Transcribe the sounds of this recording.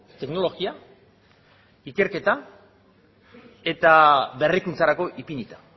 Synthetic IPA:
t̪e̞kno̞lo̞ɣia | ike̞ɾke̞t̪a | e̞t̪aβe̞rikunt͡saɾako̞ʔipinit̪ḁ

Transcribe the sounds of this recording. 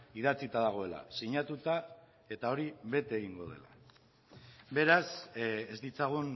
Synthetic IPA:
iðat͡sit̪aðaɣ̞o̞e̞la̰siɲat̪ut̪a | e̞t̪ao̞ɾiβe̞t̪eeɣiŋɡo̞ðe̞̰la̰ | be̞ɾasezd̪it͡saɣ̞un

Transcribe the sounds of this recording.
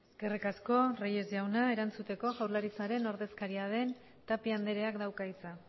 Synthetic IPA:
ɡerekasko̞reje̞zʝawnae̞ɾant͡sut̪e̞ko̞ɣawɾlaɾit͡saɾe̞no̞ɾðe̞skaɾiað̞e̞n | t̪apiand̪e̞ɾe̞akd̪awkait͡sa

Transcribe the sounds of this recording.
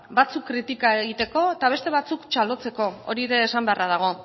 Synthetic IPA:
bat͡sukːɾit̪ikae̞ɣit̪e̞ko̞et̪aβ̞e̞st̪e̞β̞at͡sukt͡ʃalo̞t͡se̞ko̞o̰ɾieɾe̞ːsambe̞arað̞aɣ̞o̞

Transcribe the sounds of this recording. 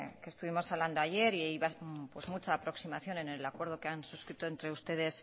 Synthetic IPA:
kest̪uβ̞imo̞saβland̪o̞aʝe̞ɾiejβapwe̞zmut͡ʃaːpɾo̞ksimaθjo̞ne̞ne̞lakwe̞ɾðo̞keansuskɾit̪o̞ent̪ɾe̞ust̪e̞ð̞e̞s

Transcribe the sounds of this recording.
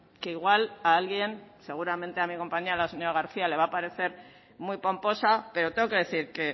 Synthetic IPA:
keiɣ̞walaalɣje̞nse̞ɣ̞uɾamẽnt̪e̞amiko̞mpaɲialase̞ɲoɾaɣaɾθiale̞βapaɾe̞θe̞ɾ | mwujpo̞mpo̞sape̞ɾo̞t̪eŋɡo̞ke̞ðe̞θiɾke̞

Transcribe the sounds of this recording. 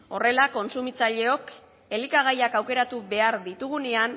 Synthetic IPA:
o̞re̞lako̞nsumit͡saʎe̞o̞k | e̞likaɣ̞ajakawke̞ɾat̪uβe̞aɾðit̪uɣ̞unean

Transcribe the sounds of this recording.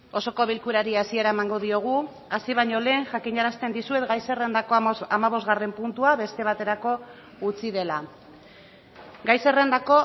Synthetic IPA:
o̞so̞ko̞β̞ilkuɾaɾiasie̞ɾaemaŋɡo̞ðio̞ɣ̞u | asiβ̞aɲo̞le̞ːŋʝakiɲaɾast̪e̞nd̪isue̞t̪ɡajse̞re̞nd̪ako̞amaβ̞o̞zɣare̞mpunt̪uaβe̞st̪e̞β̞at̪e̞ɾako̞ | ut͡siðe̞la | ɡajse̞rend̪ako̞

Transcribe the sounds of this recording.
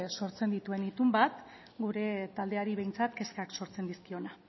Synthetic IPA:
so̞ɾt͡se̞nd̪it̪ue̞nit̪umbat̪ | ɡuɾe̞t̪ald̪e̞aɾiβe̞jnt͡sat̪ke̞skakso̞ɾt͡se̞nd̪iskio̞na

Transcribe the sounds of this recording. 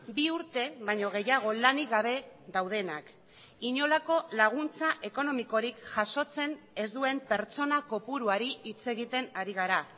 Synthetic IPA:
biuɾt̪e̞βajɲo̞ɣ̞e̞jaɣ̞o̞laniɣaβ̞e̞ðawð̞e̞nak | iɲo̞lako̞laɣ̞unt͡saʔe̞ko̞no̞miko̞ɾikʝaʃo̞t͡se̞ne̞zd̪ue̞mpe̞ɾt͡so̞nako̞puɾuaɾiit͡se̞ɣit̪e̞naɾiɣ̞aɾa

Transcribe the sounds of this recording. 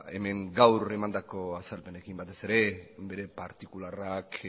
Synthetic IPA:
e̞̰me̞ŋɡawre̞mand̪ako̞asalpe̞ne̞kimbat̪e̞se̞ɾe̞be̞ɾe̞paɾt̪ikularak

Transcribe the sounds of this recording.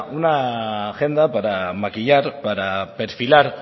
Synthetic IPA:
unaxe̞nd̪apaɾamakiʎaɾpaɾapeɾfilaɾ

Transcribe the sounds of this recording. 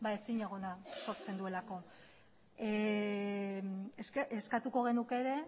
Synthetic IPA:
bae̞siɲaɣ̞o̞naso̞ɾt͡se̞nd̪ue̞lako̞ | seskat̪uko̞ɣe̞nuke̞ɾe̞

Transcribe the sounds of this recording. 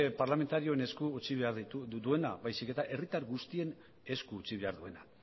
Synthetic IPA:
paɾlame̞nt̪aɾio̞ene̞skuːt͡siβe̞aɾðit̪ud̪ue̞naβajsike̞t̪aʔe̞rit̪aɾɣust̪ie̞n | e̞skuːt͡siβ̞e̞aɾðue̞na

